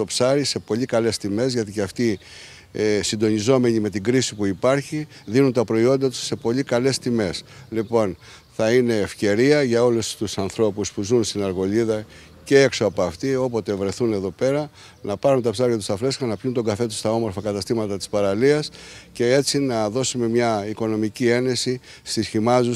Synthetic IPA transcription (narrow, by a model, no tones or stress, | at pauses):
t̪o̞psɐɾise̞po̞ʎikɐle̞st̪ime̞zʝɐt̪iceɐft̪i | sind̪o̞nizo̞me̞ɲime̞t̪iɡɾisipuipɐɾçiðinunt̪ɐpɾo̞io̞nd̪ɐt̪u̥sːe̞po̞ʎikɐle̞st̪ime̞slipo̞n | θɐine̞ːfce̞ɾiɐʝɐo̞lust̪usɐnθɾo̞puspuzunst̪inɐɾɣo̞liðɐ | ce̞e̞kso̞ɐpoɐft̪io̞po̞t̪e̞vɾe̞θune̞ðo̞pe̞ɾɐ | nɐpɐɾunt̪ɐpsɐɾʝɐt̪u̥sɐfɾescenɐpçunt̪o̞ɡɐfe̞t̪u̥st̪ɐo̞moɾfɐkɐt̪ɐst̪imɐt̪ɐt̪i̥spɐɾɐliɐsce̞e̞t͡sinɐðo̞sume̞mɲɐiko̞no̞micie̞ne̞sist̪isçimɐzu